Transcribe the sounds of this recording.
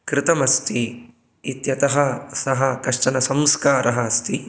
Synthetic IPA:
kɾɪt̪ɐmɐst̪ʰiː | t̪jɐt̪ɐɦɐsɐɦɐkɐʂʈɐnɐsɐmskaːɾʔɐɦɐɐst̪i

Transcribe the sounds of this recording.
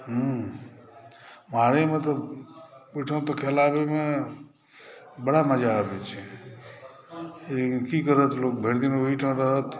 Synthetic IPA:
ɦə | maɾemə̃t̪ə | ʋiʈʰə̃t̪okʰelabemã | bəɽaməd͡ʒaːbet͡ʃʰe | kikəɾət̪lok̚bʱeɾd̪inoʋiʈʰə̃ɾəɦət̪

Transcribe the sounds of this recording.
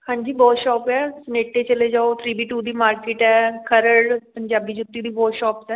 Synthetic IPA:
hãːɲd͡ʒiːbɔːt̪ʃɔːpɛːsəneːʈːeːt͡ʃəleːd͡ʒaːot̪ʰɾiːbiːʈuːd̪iːmaːɾkɪːʈɛːkʰəɾəɽpəɲd͡ʒaːbiːd͡ʒʊt̪ːiːd̪iːbɔːt̪ʃɔːpsɛː

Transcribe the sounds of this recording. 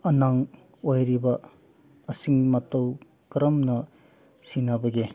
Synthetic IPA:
ɐnaŋ | ojɾibɐ | ɐsiŋmɐtɐw | kɾɐmnɐ | sinabɐɡi

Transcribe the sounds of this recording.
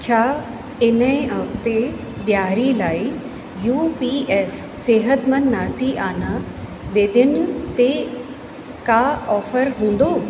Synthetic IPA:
t͡ɕʰaː | ɪnəĩɦɐft̪e | ɗjaːɾilaːi | juːpiːɛːf | seːɦət̪mɐ̃nːaːsiʔaːna | ɓeːd̪ɪnt̪e | kaːɔːfəɾɦũːn̆d̪oː

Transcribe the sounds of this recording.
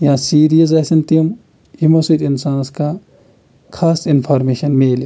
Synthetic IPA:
jãsiːɾijɐzɐːsɐnt̪iɐm | imoːsit̪insaːnska | kʰaːsɪnpʰaːɾmeːʃɐnmeːl

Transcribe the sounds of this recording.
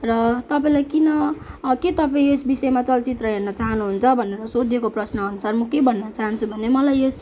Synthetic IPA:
rʌt̪ʌpaĩlajkinʌket̪ʌpaĩesbisʌemat͡sʌlt͡sit̪rʌɦernʌt͡saɦʌnuɦunt͡sʰʌbʱʌneɾʌsod̪ʱjekoprʌsnʌːnusarmʌkebʱʌnːʌt͡saɦʌnt͡sʰubʱʌnemʌlajes

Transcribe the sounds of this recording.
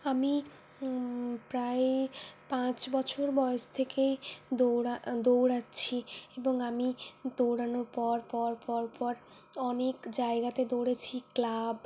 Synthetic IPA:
ami | pɾaepãt͡ɕbɔt͡ɕʰoɾbɔest̪ʰekejd̪oɾad̪owɾatːɕʰieboŋamid̪owɽanoɾpɔɾpɔɾpɔɾpɔɾ | ɔnekd͡ʑaeɡat̪ed̪owɽet͡ɕʰiklab

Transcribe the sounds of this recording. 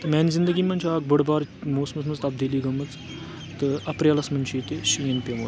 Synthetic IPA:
t̪ɨmɛːnzind̪əɡimɐnt͡ʃʰʲaːk̚bɐɽbaːɾmoːsmɐnsmɐnzt̪ɐb̚d̪iliːɡɐmːɐt͡s | t̪ɨɐpɾjalɐsmɐnt͡ʃʰiːt̪eʃijɐnpʲemo

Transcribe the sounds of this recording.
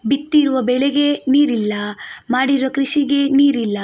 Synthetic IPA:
bit̪ːiɾuʋɐbɛɭeɡeniːɾilːɐmaːɽiɾuʋɐkɾiʃiɡe̞niːɾilːɐ

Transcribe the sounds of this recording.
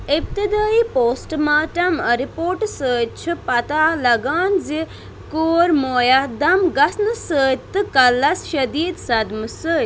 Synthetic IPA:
ip̚t̪id̪aːipoːsʈmaːʈɐmɐɾipoːɾʈsəːt͡ʃʰipɐt̪aːlɐɡaːnzi | koːɾmoːjad̪ɐmɡɐsnɨsəːt̪ːɨkɐlːɐsʃɐd̪iːd̪sɐd̪mɨsəː

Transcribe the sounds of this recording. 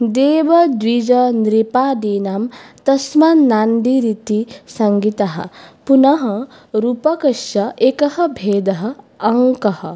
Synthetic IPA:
d̪eːʋɐd̪ʋid͡ʒɐnɾipaːd̪iːnamt̪ɐsmɐnːaːnɖiɾit̪isɐŋɡit̪ɐɦɐ̰punɐɦɐ | ɾuːpɐkɐʃɐʔekɐhɐ̆bʱeːd̪ɐɦɐ̆ː | ŋkɐhɐ

